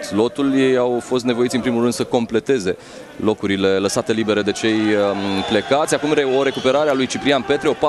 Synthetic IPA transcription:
lo̞t̪ulje̞jawfo̞st̪ne̞vo̞it̪ʲɨnpɾimulrɨnd̪səko̞mple̞t̪e̞ze̞ | lo̞kuɾile̞ləsat̪e̞libe̞ɾe̞d̪e̞t͡ʃe̞jple̞kat̪sʲakumeoɾe̞kupe̞ɾaɾealujt͡ʃipɾianpe̞t̪ɾiopa

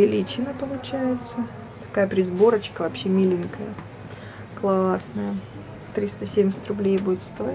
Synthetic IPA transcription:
vʲɪlʲit͡ɕɪnəpəlˠʊt͡ɕæjɪt̪sə | t̪ɐ̥kajəpɾʲɪzbo̞ɾət͡ɕkəvɐpɕːemʲilʲɪŋʲkəjə | klˠasnəjə | t̪ɾʲist̪əsʲemʲɪsʲɪtʲrʊblʲejbudʲɪt̪st̪o̞jɪ

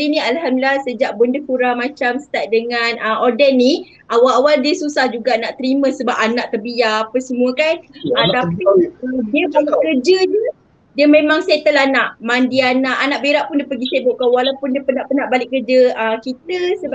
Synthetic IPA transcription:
inĩalɦamdilasəd͡ʒaʔ̚bəndəkuɾamãt͡ʃamst̪aʔ̚dəŋanəmʔɔdɛnːi | ʔawalawaldiəsusahd͡ʒuɡaʔnaʔt̪əɾimə̃səbapanaʔt̪əbijaːpəsəmũəkanət̪apidiəpəɡikərd͡ʒədu | diəmẽmãŋset̪əlanaʔmandianaʔanaʔbeɾaʔpʊndiəpəɡisebʊʔkawalawpʊndiəpənaʔpənaʔbalɪʔkːərd͡ʒəəkit̪əsə

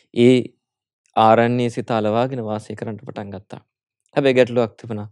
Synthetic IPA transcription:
eː | aːɾɐnːiːsit̪aːlɐʋaːɡinɐʋaːsiːkɐɾɐɳʈupːɐʈɐŋɡɐt̪ːa̰ | t̪ɐbeɡɐʈloɐk̚t̪ʰipɐna

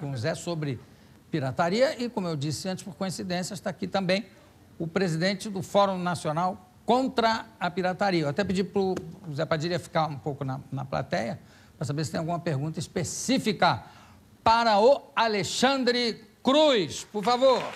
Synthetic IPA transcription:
õzɛsobɾɪ | piɾat̪aɾiɐɪkõmʊewd͡ʒisɪɐ̃t͡ʃɪ̥spoɾkõĩsid̪ẽsjɐʃt̪aːkit̪ɐ̃mbẽj̃ | ʊpɾezid̪ẽt͡ʃɪd̪ʊfɔɾũw̃nasionaw | kõnt̪ɾɐɐpiɾat̪aɾiɐeat̪ɛpid͡ʒipɾʊzɛpɾɐd͡ʒiɾiɐfi̥kaũpowkʊnɐnɐpla̰t̪ɛjɐ | pɾɐsabesɪt̪ẽj̃awɡũmɐpeɾɡũnt̪ɐispesifikɐ | paɾɐʊaleʃɐ̃nd̪ɾɪkɾujspoɾfavoɾ

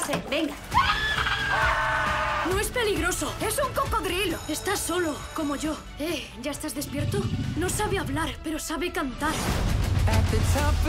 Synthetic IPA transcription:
sebeŋɡa | nõespeliɣɾosoesuŋkokoɣɾiloest̪asːolokomoʝo | e | ʝaest̪azðespjeɾt̪onõsaβeaβlaɾpeɾosaβekant̪aɾ | ɛtesap

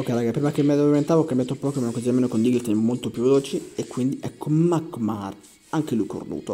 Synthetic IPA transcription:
okːɛjɾaːɡapɾiːmakemːad̪vent̪aːvoɔkːambjat̪opːɔkomenokoziameːnokond̪iɡlt̪ɛnmːolt̪opjuvːeloːt͡ʃiekːwind̪iʔɛkːomakmar | aŋkelujko̰rd̪ṵːt̪o

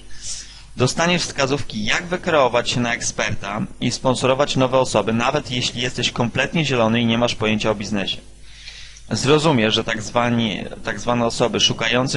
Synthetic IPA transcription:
d̪ɔst̪aɲɛʂfskazufkʲijaɡvɘkɾɛɔvat͡ɕɕɛnaɛkspɛɾt̪aispɔ̃nsɔɾɔvat͡ɕnɔvɛɔsɔbɘnavɛt̪jeɕlʲijɛst̪ɛɕkɔmplɛt̪ɲɛʑɛlɔnɘiɲɛmaʂpɔjeɲt͡ɕaɔbʲiznɛɕɛ̥ | zɾɔzumʲjɛʐɛt̪avat̪aɡzvanɛɔsɔbɘʂukajɔnt̪s

